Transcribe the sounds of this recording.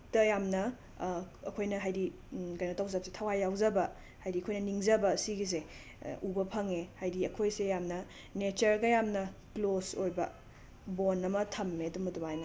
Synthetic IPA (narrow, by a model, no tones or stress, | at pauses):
tɐjamnɐ | ɐkʰojnɐɦajɾi | kajnɐtawzap̚se̥tʰɐwajːawzɐbɐ | hajɾiɐkʰojnɐniŋzɐbɐsiɡis̬e | ubɐpʰɐŋehajdiɐkʰojsejamnɐ | net͡ʃɐɾɡɐjamnɐklosojbɐ̰ | bonɐmɐtʰɐmːeɐdumɐdumajnɐ